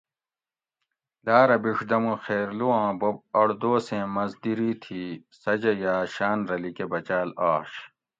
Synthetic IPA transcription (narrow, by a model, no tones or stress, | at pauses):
laːɾɐbiʂd̪ɐmũxeːɾluwãːbɐb̚ɐɽd̪oːsẽːmɐzd̪iɾiːt̪ʰiːsɐd͡ʑɐjaːɕaːnɾɐlikebɐt͡ɕaːlaːɕ